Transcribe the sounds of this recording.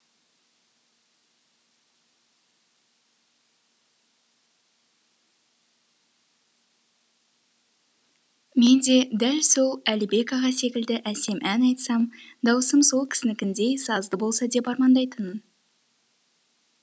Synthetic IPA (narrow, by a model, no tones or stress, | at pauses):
me̞nd̪e̞d̪ælso̞lˠælibe̞kɑʁɑse̞kʲɪld̪ɪʔæse̞mʔænɑjt̪sɑmd̪ɑwəsəmso̞lˠkʲʰɪ̥sɪnɪkʲɪnd̪e̞jsɑzd̪əbo̞lˠsɑd̪e̞pɑɾmɑnd̪ɑjt̪ənn